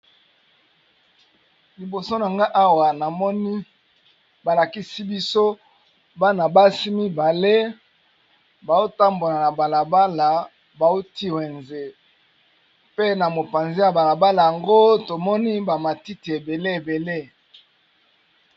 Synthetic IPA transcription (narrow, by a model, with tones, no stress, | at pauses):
li˨bo˨so˦na˨ŋɡa˦ʔa˦wa˨na˨mɔ˦ni˦ | ba˨la˨ki˦si˦bi˦so˦ | ba˦na˨ba˦si˦mi˦ba˨le˦ | ba˨o˦ta˦mbo˨na˨na˨ba˨la˨ba˦la˨ | ba˨o˦ti˦we˨nze˨ | pe˦na˨mo˨pa˨nze˦ja˨ba˨la˨ba˦la˨ja˨ŋɡo˦to˨mɔ˦ni˦ba˨ma˨ti˦ti˨e˨be˨le˦e˨be˨le˦